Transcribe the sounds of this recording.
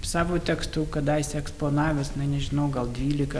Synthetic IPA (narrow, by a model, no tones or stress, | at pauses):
sɑːʋoːt̪ʲɛkst̪uːkɐd̪ɑjsʲɛɛkspoːnɑːʋʲɛsɐnɐɪnʲɛʒʲɪnɐʊɡɐlˠd̪ʲʋʲiːlʲɪkɐ